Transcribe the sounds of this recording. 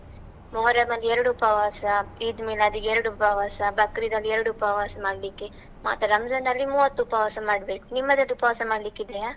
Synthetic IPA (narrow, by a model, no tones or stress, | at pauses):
moːɾɐmɐlɛɾɐɽuupɐʋaːsɐid̪meːlɐːd̪ɯɛɾɐɽupɐʋaːsɐbɐkːɾid̪ɐlɛɾɯɽuʊpɐʋaːsɐmaːɽlikːi | ma̰ːt̪ɐɾɐmd͡ʒɐnd̪ɐlːimuːʋɐt̪ːupɐʋaːsɐmaːɽɐbeːku̥nimːɐd̪eɖ̪upɐʋɐsɐmaːɽlikːid̪ejaː